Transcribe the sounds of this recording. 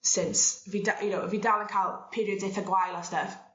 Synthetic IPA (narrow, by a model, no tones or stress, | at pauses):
sɪnsvidaʔjənowəvidalə̃nkʰalˠpʰiːɾiədzɛθəɡwajlˠəstəf